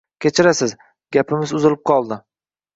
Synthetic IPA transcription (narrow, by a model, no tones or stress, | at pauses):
kʲet͡ʃʰɪɾasɪz | ɡʲapʰɪmɪzʊzɪlɪp̚qʰɒlˠd̪ɪ